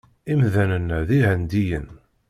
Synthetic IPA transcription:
imðænənðiɦənd̪ijən

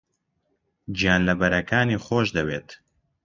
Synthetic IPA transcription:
d͡ʒijaːnlɐbɐɾɐkaːniːχoːʃd̪ɐweːt̪

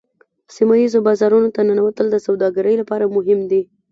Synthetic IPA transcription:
simajizobɑzɑɾunot̪ananawat̪əld̪əsawd̪ɑɡaɾəjlapɑɾamʊɦɪmd̪i

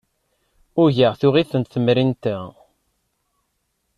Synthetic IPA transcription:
ʊʝəʁθuʁiθənt̪θəmɾint̪æ

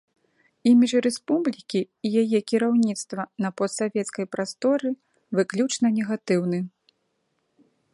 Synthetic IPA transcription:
imʲit͡ʂrɛspublʲikʲiːjajɛkʲiɾawnʲit̪st̪vɐnɐpɔst̪savʲɛt̪skɐjpɾast̪ɔɾɨ | vɨklʲut͡ʂnɐnʲɛɣat̪ɨwnɨ

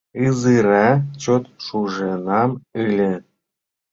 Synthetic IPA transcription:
ɯzɨɾæt͡ɕot̪ʃuʒenɑmɯlʲĕ

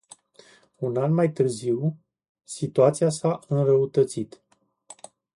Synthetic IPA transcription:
unanmajt̪ɨrziw | sit̪uat̪sijasaʔɨnrəut̪ət̪sit̪

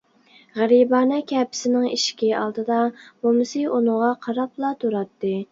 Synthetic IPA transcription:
ʁæɾibɑːnɛkʲʰɛpʰɪ̥sɪnɪŋiʃkʲiɑ̰lˠd̪ɨd̪ɑmomɨsɨʔunɨŋʁɑqʰɑɾɑplˠɑt̪ʰuɾɑt̪ːɨ

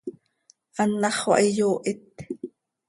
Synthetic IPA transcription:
ʔanːɑχwɑ̰ʔijoːʔit̪

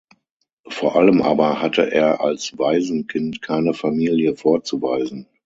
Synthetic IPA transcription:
foːɐʔaləmʔa̰ːbɐhatʰə̰ʔḛːɐʔa̰lsv̥aɪzn̩kʰɪntkʰaɪnəfamiːljəfoːɐt͡suva̰ɪzn̩

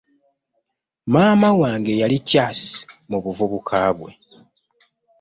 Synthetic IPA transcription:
maːmawaːŋɡe̞jalicːaːsi̥muβuvuβukʰaːβwe̞̰

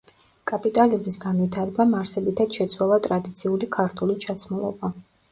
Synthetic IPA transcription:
kʼapʼit̪ʼalizmisɡanwit̪ʰaɾɛbamaɾsɛbit̪ʰad̪̥ʃɛt̪sʰwalˠat̪ʼɾad̪it̪sʰiulikʰaɾt̪ʰulit͡ʃʰat̪sʰmulˠɔ̰ba

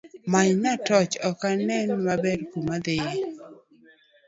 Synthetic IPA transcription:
maɲnatɔt͡ʃɔkanɛnmabɛrkumad̪eje

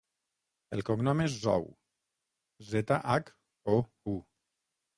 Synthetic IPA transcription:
elˠkoŋnɔmezːɔ̰w | zet̪aʔak | o | u

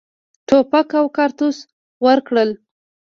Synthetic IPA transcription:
ʈopakawkɑɾt̪us | wəɾkɽəl

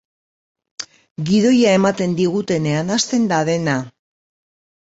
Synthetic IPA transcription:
ɡiðo̞jae̞mat̪e̞nd̪iɣ̞ut̪e̞ne̞anast̪e̞nd̪aðe̞na

